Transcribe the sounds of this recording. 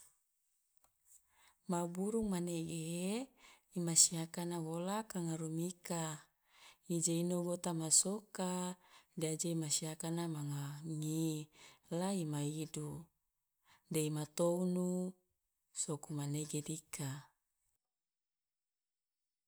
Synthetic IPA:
mabuɾuŋmaneɡe | imasiakanawolakaŋaɾumika | id͡ʒeinoɡot̪amasokadead͡ʒeimasiakanamaŋaŋi | laimaidu | deimat̪ounu | sokumaneɡedikʰa

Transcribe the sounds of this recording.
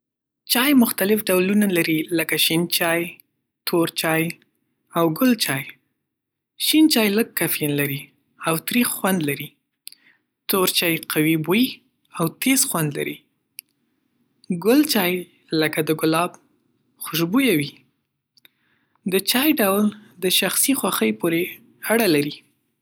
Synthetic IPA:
t͡ʃɑjmʊxt̪alɪfɖawlunalaɾiləkaʃint͡ʃɑj | t̪ʰoɾt͡ʃɑj | awɡʊlt͡ʃɑj | ʃint͡ʃɑjləɡ̚kafjanlaɾi | awt̪ɾixxwand̪laɾi | t̪oɾt͡ʃɑjqawiboji | awt̪ezxwand̪la̰ɾi | ɡʊlt͡ʃɑj | ləkad̪əɡʊlɑb | xʊʃbujawi | d̪ət͡ʃɑjɖawld̪əʃaxsixwaxəjpoɾe | aɽalaɾi

